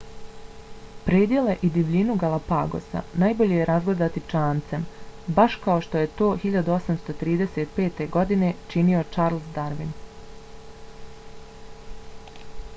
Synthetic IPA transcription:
pɾeːd̪je̞le̞ʔid̪iʋʎinuɡalapa̰ɡo̞̰sa̰najboʎejeɾazɡle̞d̪at̪it͡ʃaːnt̪sembaʃkao̞ʃt̪o̞je̞t̪o̞ːxiʎad̪uo̞samst̪o̞t̪ɾiːd̪e̞se̞t̪pe̞ːt̪e̞ɡo̞d̪ine̞t͡ʃinio̞t͡ʃaːɾlˠsd̪aɾʋin

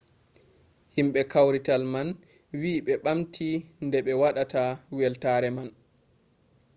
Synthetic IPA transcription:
himɓɛkawɾitalman | wiːɓɛɓamtʰindɛɓɛwaɗatawɛltaɾɛman

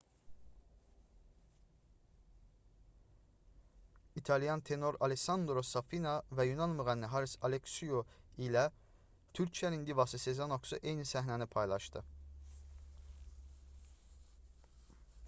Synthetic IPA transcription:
it̪ʰɑljɑnt̪ʰe̞no̞ɾɑ̰leksɑnd̪ɾosɑfinɑvæjunɑnmuʁænːiɦɑɾisɑleksujoilæ | t̪ʰyɾcʰijæɾind̪ivɑsɯsezɑnoksuʔejnisæɦnænipʰɑjlˠɑʃt̪ɯ

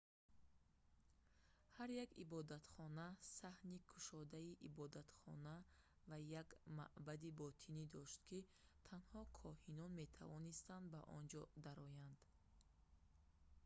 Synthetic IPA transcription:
haɾjakibɔd̪at̪χɔnasahnikʰu̥ʃɔd̪aiʔibɔd̪at̪χɔ̰na | vajaɡma̰ʔbad̪ibɔt̪ʰinid̪ɔʃt̪kʰit̪ʰanhɔkʰɔhinɔnme̞t̪ʰa̰vɔnist̪and̪baʔɔ̰nd͡ʒɔd̪aɾɔjand̪̥

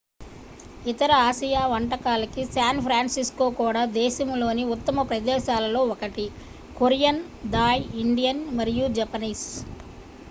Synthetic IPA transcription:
it̪ɐɾɐaːʃijaːʋɐɳʈɐkaːlɐkisaːnpʰɾaːnsisko̞ːkuːɽaːd̪ɛːʃɐmlo̞ːniut̪ːɐmɐpɾɐd̪ɛːʃaːlɐlo̞ːɔkɐʈi | koɾjɐn | d̪aːjiɳɖijɐnmɐɾijud͡ʒɐpɐniːs

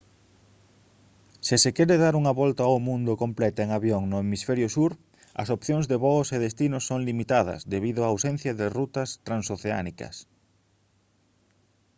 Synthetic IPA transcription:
sɪsɪkɛɾɪðaɾuŋɐβɔlt̪ɐawmũnd̪ʊkomplɛt̪ʊeŋaβjoŋnʊemisfɛɾjʊsuɾ | ɐ̰sopθjoŋzðeβɔseðest̪inʊssːoŋlimit̪að̞ɐ̰sd̪eβiðʊaːwsenθjɐðɪrut̪ɐst̪ɾãnsoθea̰nikɐ̰s

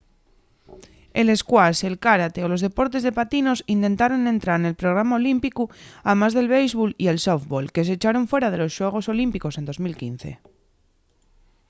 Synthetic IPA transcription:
e̞le̞skwaselkaɾat̪e̞olo̞zðe̞po̞ɾt̪e̞zð̞e̞pat̪ino̞sint̪e̞nt̪aɾo̞ne̞nt̪ɾaɾne̞lpɾo̞ɣ̞ɾamaolimpikuamazðe̞lβejzβolie̞lsofβolke̞set͡ʃaɾo̞ɱfwe̞ɾað̞e̞lo̞sʃweɣ̞o̞so̞limpiko̞se̞nd̪o̞zmilkin̟θe̞̰

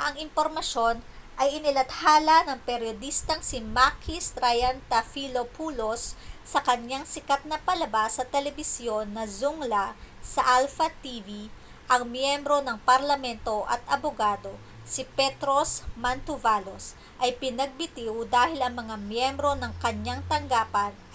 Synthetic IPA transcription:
ʔɐŋɪmpoɾmɐʃo̞n | ʔɐjɪnɪlɐt̪haːlɐnɐŋpɛɾjod̪ist̪ɐŋsɪmakist̪ɾajant̪ɐfilopuːlosː | ɐkɐɲjaŋsɪkat̪̚nɐpɐlɐbasːɐt̪ɛlɛbɪsjo̞nːɐzuŋlasɐʔalfɐt̪iːvi | ʔɐŋmjɛmbɾo̞nɐŋpɐɾlɐmɛnt̪o̞ʔɐ̰t̪ʔɐboɡaːd̪o̞ | sɪpɛt̪ɾosmɐnt̪ʊvalos | ʔɐjpɪnɐɡ̚bɪt̪iwd̪aːhɪlɐŋmɐŋamjɛmbɾo̞nɐŋkɐɲaŋt̪ɐŋɡaːpɐn

